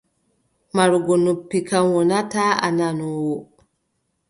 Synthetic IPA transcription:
maɾuɡɔnopːikanwɔnataːa̰nanɔwɔ

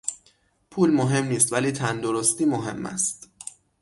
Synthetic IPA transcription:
pʰuːlmoɦe̞mniːst̪væliːt̪ʰænd̪oɾost̪iːmoɦe̞̰mːæ̰st̪

